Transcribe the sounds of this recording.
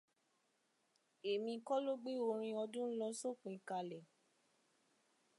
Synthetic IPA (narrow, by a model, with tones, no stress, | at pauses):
e˨mĩ˧kɔ˦lo˦ɡ͡be˦o˧ɾ̃ĩ˧ɔ˧dũ˦n̩˦lɔ˧˦so˦k͡pĩ˨˦ka˧lɛ˨